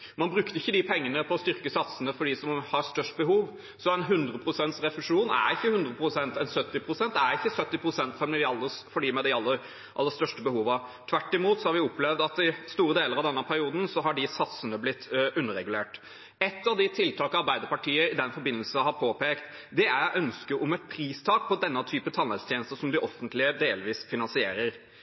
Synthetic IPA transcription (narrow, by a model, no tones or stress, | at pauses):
mɑnbɾʉkt̪əɪçːəd̪ɪpʰɛŋːənəpʰɔːst̪ʏɾkəsɑt̪sənəfɔɖisɔmhɑɾst̪œʂʈ̚bəɦuːʋ | sɔɛɪnɦʉnd̪ɾəpʰɾʊsɛnt̪sɾɛfʉʂuːnæ̰ɾɪçːəhʉnd̪ɾəpʰɾʊsɛnt̪ɛnsœt̪ːɪpʰɾʊsɛnt̪æɾɪçːəsœt̪ːɪpʰɾʊsɛnt̪fɔmɛd̪ɪɑlːəfɔɖiːmɛd̪ɪɑlːəɾ | ʔɑlːəst̪œʂʈəbəhuːʋɑt̪ʰʋæʈːɪmuːt̪sɔhɑɾʋɪɔpːlɛʋd̪ɑt̪ɪst̪uːɾəd̪eːləɾɑʋd̪ɛnːəpʰæɾɪuːd̪n̩sɔɦɑɖɪsɑt̪sənəblɪt̪ːʉnːəɾɛɡʉleːʈ | ɛt̪ːɑʋd̪ɪt̪ʰɪlt̪ʰɑːkəɑɾbæɪd̪əɾpɑʈiːəɾɪd̪ɛnfɔɾbɪnːəlsəɦɑɾpʰoːpeːkt̪ | d̪ɛæɾʔœnskəɾɔmɛt̪̚pʰɾiːst̪ʰɑːk̚pʰɔd̪ɛnːət̪ʰyːpət̪ʰɑnɛt̪st̪ʰjeːnəst̪əʂɔmd̪ɪʔɔfːənt̪lɪəd̪eːlʋiːsfɪnɑnsɪḛːɾəɾ